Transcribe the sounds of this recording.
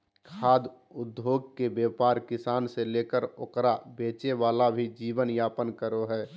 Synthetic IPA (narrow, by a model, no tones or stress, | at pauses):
kʰaːd̪ | ʊd̪joːɡ̚kebjeːpaːɾkɪsaːnseleːkəɾokɾabeːt͡ʃeʋaːlabʱid͡ʒiːʋənjaːpənkəɾoɦɛː